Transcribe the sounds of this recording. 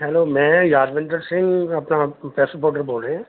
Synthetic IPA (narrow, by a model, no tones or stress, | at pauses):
ɦɛloːmɛ̃ːjaːɾʋɪ̃ɳɖəɾsɪ̃ŋɡɐpnapɛːsəpoːʈəɾboːlɖẽː